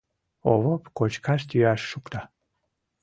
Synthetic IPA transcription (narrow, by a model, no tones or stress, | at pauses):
o̰βopkot͡ɕkɑʃt̪yɑʃːukt̪ɑ